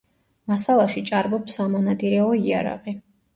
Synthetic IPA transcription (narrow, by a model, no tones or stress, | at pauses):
masalˠaʃit͡ʃʼaɾbɔpsamɔnad̪iɾɛɔia̰ɾa̰ʁi